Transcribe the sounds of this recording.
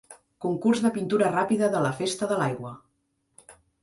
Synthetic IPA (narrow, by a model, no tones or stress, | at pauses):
kuŋkurzðəpint̪uɾərapiðəðələfest̪əðəlajɣwə